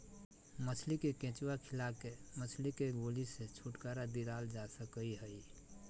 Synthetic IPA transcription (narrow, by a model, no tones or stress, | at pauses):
mət͡ʃʰlikekẽt͡ʃwakʰilakemət͡ʃʰlikeɡoliset͡ʃʰuʈkaɾad̪iɾald͡ʒasəkəiɦəi